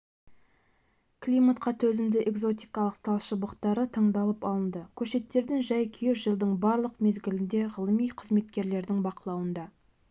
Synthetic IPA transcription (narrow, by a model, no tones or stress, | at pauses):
kʰlʲijmat̪qɑt̪ʰɵzɪmd̪ɪʔe̞ɡzo̞t̪ijkɑlˠəq̚t̪ʰɑlˠʃəbəqt̪ɑɾət̪ʰɑɴd̪ɑlˠəpɑlˠənd̪əkʲʰɵʃe̞t̪ːe̞ɾd̪ɪŋʒɑjkʲʰijeʒəlˠd̪əɴbɑɾlˠəqme̞zɡʲɪlɪnd̪e̞ʁəlˠəmijqʰəzme̞t̪kʲe̞ɾle̞ɾd̪ɪŋbɑqəlˠɑwənd̪ɑ